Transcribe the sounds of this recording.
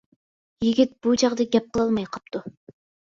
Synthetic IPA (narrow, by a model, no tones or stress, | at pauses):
jiɡʲit̪̚b̥ut͡ʃɑʁd̪ɑɡʲɛp̚qʰəlˠɑlˠmɑjqʰɑp̚t̪ʰu